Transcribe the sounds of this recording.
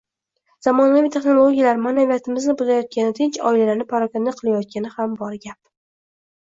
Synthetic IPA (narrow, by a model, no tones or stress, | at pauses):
z̥amɒnavit̪ʰeχno̞lˠoɡʲijalaɾmanavijat̪ʰɪmɪznɪbʊzajɒt̪̚kʲanɪt̪ʰɪnt͡ʃɒ̰ɪilalanɪpʰaɾakʲand̪aqʰɨlajɒt̪̚kʲanɪhambɒɾɡʲap̚